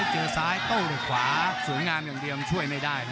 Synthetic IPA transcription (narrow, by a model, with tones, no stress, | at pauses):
t͡ɕɤː˧saː˦˥jt̪o˥˩wɾoː˨˩kʰwaː˧˩˦su˩˦əjŋaː˧mjaː˨˩ɗi˧əmt͡ɕʰu˥˩əjma˥˩jdaː˥˩j